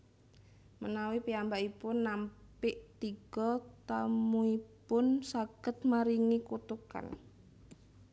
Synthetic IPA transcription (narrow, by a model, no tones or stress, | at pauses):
mənawipiambaʔipʊnːampɪʔt̪iɡ̥ɔt̪amuipʊnsaɡ̥ət̪̚maɾiŋikut̪uka̰n